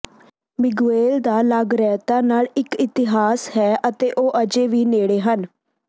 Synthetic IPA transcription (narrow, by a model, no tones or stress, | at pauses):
mɪɡueːld̪aːləɡɾɛːt̪aːnaːlɪkɪt̪ɪɦaːshɛːʔət̪eːʔoːʔəd͡ʒeːʋiːneːɽeːɦən